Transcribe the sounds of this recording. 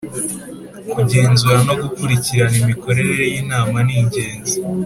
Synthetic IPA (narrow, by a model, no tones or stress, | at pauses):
kuɟe̞ːnzuɾano̞ɡukuɾiciɾanimiko̞ɾe̞ɾeɾe̞jiːnaːmaniːɲɟe̞ːnzi